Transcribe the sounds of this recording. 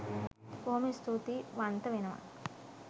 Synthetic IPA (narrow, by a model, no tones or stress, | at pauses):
boːmist̪ʰut̪iʋɐnt̪ɐʋinɐʋɐ̰